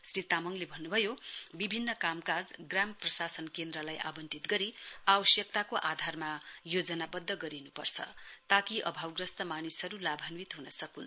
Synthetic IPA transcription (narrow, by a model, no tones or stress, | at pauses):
srit̪amʌŋlebʱʌnːubʱʌjobibʱinːʌkamkad͡zɡramprʌsasʌnkend̪ɾʌlajʔa̰bʌnʈit̪ɡʌɾiabʌsjʌk̚t̪akoʔad̪ʱarmajod͡zʌnabʌd̪ʱːʌɡʌɾinupʌrt͡sʰʌ̰t̪akiʔʌ̰bʱawɡrʌst̪ʌmanisɦʌɾulabʱʌnwit̪ɦunʌsʌkun